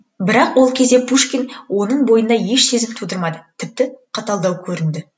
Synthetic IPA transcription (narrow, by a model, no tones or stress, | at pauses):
bɪɾɑqwo̞lˠkʲʰe̞zd̪e̞pʰuʃkʲinwo̞nəɴbo̞jənd̪ɑje̞ʃse̞zɪmt̪ʰud̪əɾmɑd̪ət̪ʰɪp̚t̪ɪqʰɑt̪ɑlˠd̪ɑwkʲʰɵɾɪnd̪ɪ